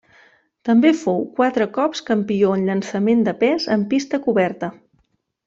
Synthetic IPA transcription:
t̪əmbefowkwat̪ɾəkɔpskəmpioənʎənsəmend̪əpɛzəmpist̪əkuβɛrt̪ə

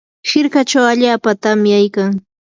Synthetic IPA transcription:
hɪɾkat͡ʃawaʎaːpat̪amɪjajkaŋ

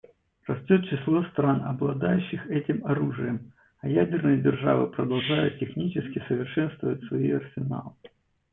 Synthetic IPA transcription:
rɐsʲtʲot̪̚t͡ɕːɪslˠost̪ɾanɐ̰blˠɐd̪ajʉɕːɪxɛtʲɪmɐɾuʐɨjəm | ɐjædʲɪrnɨjədʲɪrʐa̰vɨ̰pɾəd̪ɐlˠʐajʊt̪̚tʲːɪxnʲit͡ɕɪskʲɪsəvʲɪrʂɛnst̪vəvətʲsvɐiɐrsʲɪna̰lˠ

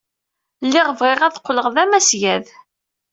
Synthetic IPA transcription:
lːɪʁəvʁeʁæθqːləʁðæmæsjæð

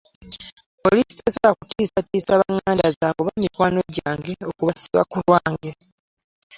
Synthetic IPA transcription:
po̞lisi̥esolakutiːsatiːsaβaŋːaːndazaːŋɡoβamikwaːno̞ɟaːŋɡe̞okuβasiwa̰kulwaːŋɡe̞

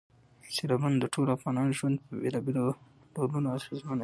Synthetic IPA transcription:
seɾaband̪əʈʰolafɣɑnɑnʒwand̪̚pəbḛlɑbelo | ɖolunoasɾizman

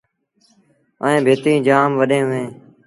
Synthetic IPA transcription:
əẽːbʱeːt̪ĩːd͡ʒaːmʋəɗẽːɦʊʋẽː

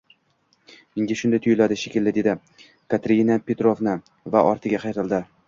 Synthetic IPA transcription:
ɪŋɡʲɪʃʊnd̪ajt̪ʰʊjʊlad̪ɪʃekʲɪlːɪd̪e̞d̪ɪ | kʰat̪ɾʲinapʰʲet̪ɾovnɪ | vaʔɒɾt̪ʰɪɡʲaqʰɑjɾɪlˠd̪ɪ

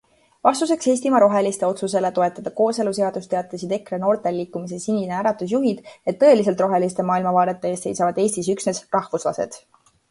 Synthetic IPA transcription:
vɑst̪use̞kshe̞js̬ʲt̪imɑɾo̞ɦe̞list̪e̞o̞t̪suse̞let̪o̞e̞t̪ːˑɑd̪̥ɑko̞ːse̞luse̞ɑd̪̥ust̪e̞ɑt̪ːˑesid̪̥e̞kreno̞ːrt̪e̞lːiːkːˑumis̬e̞sinʲineæɾɑt̪ːus̬juɦid̪̥e̞t̪ːɤ̞e̞lis̬e̞lt̪ro̞ɦe̞list̪e̞mɑːilmɑvɑːɾe̞t̪ːˑeeːst̪sejsɑvɑd̪e̞ːsʲt̪isyksne̞srɑhvuslɑ̰se̞̰d̪̥

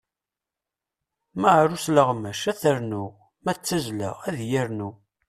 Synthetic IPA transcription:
məʕɾusləʁmæʃæθəɾnu | mæt͡sːæzlə̰ʁæðjəɾnu

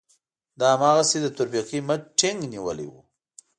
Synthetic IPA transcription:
d̪ɑamɑɣased̪ət̪ʊɾpiqimət͡ʃʈɪŋɡniwə̰lḭwṵ

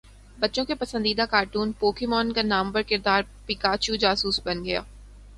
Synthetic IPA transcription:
bɐtːʃõkepɐsənd̪iːd̪akaːɾʈuːnpoːkɪmɔːnkanaːmpɐɾkɪɾd̪aːɾpɪkaːt͡ʃud͡ʒaːsuːsbɐnɡɐja̰ː

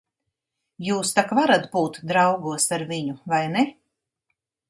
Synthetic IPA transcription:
juːst̪akvaɾat̪buːt̪d̪ɾawɡuɔsaɾviɲuvajnɛ

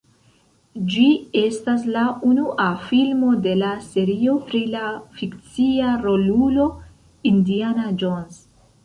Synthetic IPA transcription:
d͡ʒie̞stas̬launuʔafilmo̞de̞lase̞ɾio̞pɾilafikt͡siaɾo̞lulo̞ | indianad͡ʒons

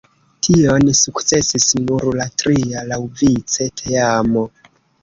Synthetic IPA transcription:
tʰio̞nsukt͡se̞sisnuɾlatɾialawvit͡se̞tʰeamo

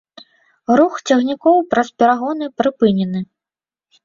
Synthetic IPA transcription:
ɾuxt͡sʲaɣnʲikɔwpɾɐspʲɛɾaɣɔnɨpɾɨpɨnʲɛnɨ

